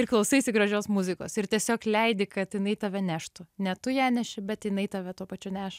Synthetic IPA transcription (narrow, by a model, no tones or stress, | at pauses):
ɪrklˠɐʊsɐɪsʲɪɡɾɐʒʲoːsmʊzʲɪko̰ːsɪɾt̪ʲiɛsʲoːklʲɛɪd̪ʲɪkɐt̪jɪnɐɪt̪ɑːʋʲɛnʲæːʃt̪ʊnʲɛt̪ʊjæːnʲɛʃʲɪbʲɛt̪jɪnɐɪt̪ɑːʋʲɛt̪uɔpɐt͡ʃʲʊnʲæːʃ